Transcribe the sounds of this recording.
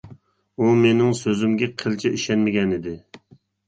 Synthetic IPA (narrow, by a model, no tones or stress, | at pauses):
umenɪŋsøzymɡʲɛqʰəlt͡ʃʰɛiʃɛnmɪɡʲɛnɪd̪ɪ